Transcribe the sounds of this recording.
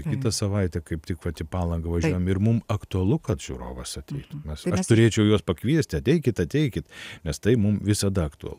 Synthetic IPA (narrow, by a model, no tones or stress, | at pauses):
kʲɪt̪ɐsɐʋɐɪt̪ʲɛkɐɪpt̪ʲɪkʋɐt̪ʲɪpɑːlˠɐŋɡɐʋɐʒʲuɔjmɪrmʊmɐkt̪ʊɐlˠʊkɐt̪ʒ̥ʲṵːɾo̰ːʋɐsɐt̪ʲɛɪt̪mʲɛsɐʃt̪ʊɾʲeːt͡ʃʲɛʊjuɔspɐkʋʲiɛsʲt̪ʲɐtʲɛɪkʲɪt̪ɐt̪ʲɛɪkʲɪt̪nʲɛst̪ɐɪmʊmʋʲɪsɐd̪ɐɐkt̪ʊɐ̰lˠʊ